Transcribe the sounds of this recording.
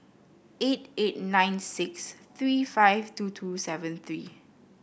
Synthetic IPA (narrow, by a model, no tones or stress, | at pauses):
etet̚nãɪ̃nsɪksθɹiːfaɪjvtutʰusɛvə̃nθɹiː